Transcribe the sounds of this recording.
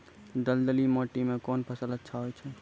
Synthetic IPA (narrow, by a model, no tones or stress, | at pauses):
ɖəld̪əlimoʈimẽkoːnpʰəsələtːʃʰaɦojt͡ʃʰɛ